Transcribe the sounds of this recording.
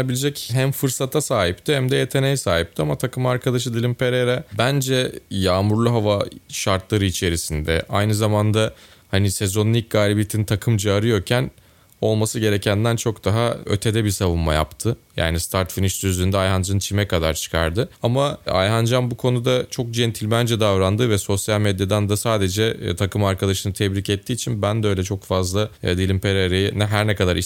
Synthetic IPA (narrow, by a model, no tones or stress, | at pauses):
abilʲed͡ʒɛcɦæmfɯɾsat̪ʰasaːɦip̚t̪ʰɪhæmd̪ɛje̞t̪ʰe̞nejɛsaːɦip̚t̪ʰiamat̪ʰakʰɯmaɾkʰad̪aʃ̬ɯd̪ilʲimpʰe̞ɾeɾabænd͡ʒɛjaːmuɾlˠuɦavaʃaɾt̪lˠaɾɯit͡ʃʰe̞ɾisind̪ɛ̰ʔa̰jnɯzamand̪a | hanisezo̞nnʲic̚ɡaːlʲibit̪ʰint̪ʰakʰɯmd͡ʒɯaɾɯjo̞ɾcʰæn | o̞lˠmasɯɟe̞ɾecʰænd̪ænt͡ʃʰo̞kd̪aɦaø̞̰t̪ʰed̪ɛbisavunmaja̰pt̪ʰɯja̰ːnist̪ʰaɾt̪finiʃsyzyːnd̪ɛajɦand͡ʒant͡ʃʰimɛkad̪aɾt͡ʃʰɯ̥kʰa̰ɾd̪ɯamaa̰jɦand͡ʒanbukʰo̞nud̪at͡ʃʰo̞k̚d͡ʒɛnt̪ʰilʲmænd͡ʒɛd̪avɾand̪ɯvɛso̞sjalʲmed̪jad̪ænd̪asaːd̪e̞d͡ʒɛt̪ʰakʰɯmaɾkad̪aʃɯnɯt̪ʰɛbɾicɛt̪ʰːiːt͡ʃʰinbænd̪ɛøjlʲɛt͡ʃʰo̞kfazlˠad̪iilʲimpʰeɾaɾejinɛɦæɾnɛkad̪aɾi